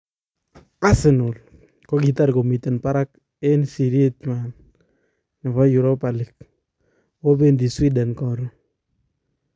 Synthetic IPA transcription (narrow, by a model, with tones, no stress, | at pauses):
a˦sɪ˨nʊ˨l | kɔ˦ki˨t̬a˦ɾko˨mi˨te˨npa˦ɾa˦k̚ | e˦nsi˨ɾi˦e˦t̚ɲwa˨n | nɪ˨fa˦ju˨ɾɔ˦pa˨li˨k̚ | wo˦be˦ndi˨swi˦da˨nkɔ˨ɾu˨